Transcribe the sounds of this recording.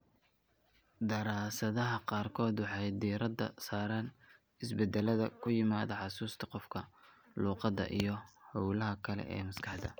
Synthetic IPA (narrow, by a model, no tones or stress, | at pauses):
d̪ɐɾaːsɐðɐɦɐqɑːrkʰɔːd̪wɑħɑjd̪iːɾɐd̪ɐ̰saːɾan | ɪsbɛd̪ɛlɐðɐ̰kʰʊjɪmaːðɐħɑsuːst̪ʰɐ̥qɔfkʰɐ | luːqɑd̪ɐ̰ʔḭjɞhɔwlɐɦɐkʰɐlɛ̰ʔɛ̰ːmɐskʰɑħd̪ɐ̰